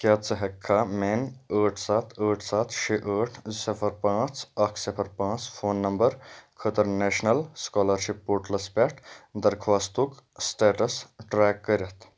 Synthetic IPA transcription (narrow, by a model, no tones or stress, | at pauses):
kʲjaːt͡sɐɦɐkʰːamenəːʈʰsaːt̪ʰəːʈʰsaːt̪ʰʃʰeʔəːʈʰsipʰɐɾpãːt͡sɐkʰsipʰɐɾpãːt͡spʰoːnːɐmbəɾkʰət̪əɾneːʃnɐlskɔːlɐɾʃipːoːɾʈlɐspʲɛʈʰd̪ɐɾkʰʋaːst̪uksʈeːʈɐsʈɾɛːkːəɾʲɐt̪ʰ